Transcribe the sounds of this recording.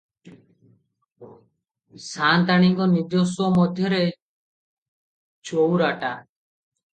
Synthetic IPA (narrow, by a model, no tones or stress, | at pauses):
sant̪aɽ̃iŋkɔniɾd̪josɔmɔd̪ʱjɔɾe | t͡ʃowɾaʈa